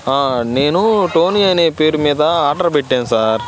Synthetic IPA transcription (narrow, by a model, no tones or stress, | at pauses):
aːneːnũʈoːnɪjaːnepeːɾɯmeːt̪ãːaːʈɾɐbɪʈːẽːsaːɾ